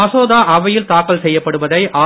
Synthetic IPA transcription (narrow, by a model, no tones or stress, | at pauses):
ɐsoːðaːʔɐʋɐjɪlt̪aːkːɐlsɛjːɐpːɐɽɯʋɐðɐɪʔaː